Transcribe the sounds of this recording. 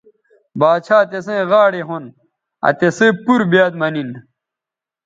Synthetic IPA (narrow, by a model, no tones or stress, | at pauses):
baːt͡ɕʰaːt̪esẽːɣaːɽeɦon | ɐ̰t̪esepuɾbaːt̪mɐnin